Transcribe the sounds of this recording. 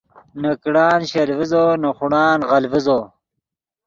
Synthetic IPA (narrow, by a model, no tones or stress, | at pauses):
nɐkɽaːnɕɐlvizoːnɐχuɽaːnʁɐlvizoː